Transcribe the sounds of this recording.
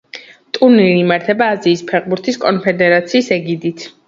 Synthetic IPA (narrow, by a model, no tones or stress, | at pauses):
t̪ʼuɾniɾiːmaɾt̪ʰɛbaːziːspʰɛʁbuɾt̪ʰiskʼɔnpʰɛd̪ɛɾat̪sʰiːsɛɡid̪it̪ʰ